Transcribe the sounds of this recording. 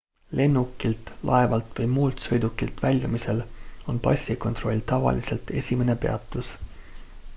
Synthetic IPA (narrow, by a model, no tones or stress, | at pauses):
lʔe̞nːukːˑilt̪lʔɑ̰e̞vɑlt̪vɤjmuːlt̪sɤjd̪ukːilt̪vælʲjɑmise̞lo̞npɑ̰sʲiko̞nt̪ro̞lʲt̪ɑvɑ̰lise̞lt̪e̞̰sʲime̞ne̞pe̞ɑt̪ːˑus